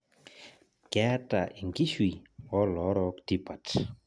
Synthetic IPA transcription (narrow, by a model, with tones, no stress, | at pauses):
kɛ˦ta˨ʔi˨ŋɡi˦ʃwi˨ɔ˦lɔ˨˦ɾɔ˧kti˦pa˨t